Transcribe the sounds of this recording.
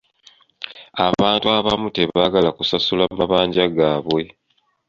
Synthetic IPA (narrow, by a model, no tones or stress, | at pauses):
aβaːntuaβamute̞βaɡalakusasulamaβaːɲɟaɡaːβwe̞